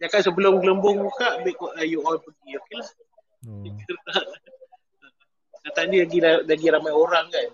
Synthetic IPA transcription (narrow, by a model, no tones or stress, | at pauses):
jakansəbəlʊmɡələmbʊŋmukaʔbɛʔkɔʔajuʔɔpəɡiokelah | it̪əaʔ | ə | sat̪aʔdəlaɡilalaɡiɾamajoɾaŋkan